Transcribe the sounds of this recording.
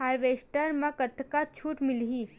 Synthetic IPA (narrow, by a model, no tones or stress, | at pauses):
aːɾʋeːsʈəɾmɐ̃kət̪ʰkat͡ʃʰuːʈmɪlɦiː